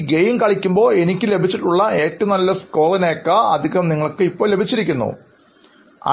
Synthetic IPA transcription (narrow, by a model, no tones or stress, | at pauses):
ɡejimkɐɭikʲːumbo̞ːe̞nikʲːɨle̞bʱit͡ɕːiʈːuɭːɐe̞ːʈːɨnɐlːɐsko̞ːrɐneːkːɐɐ̰d̪ʱiɣɐmniŋːɐɭokːɨipːo̞ːlebʱit͡ɕːiɾik̬ʲːunːṵ | ɐ̰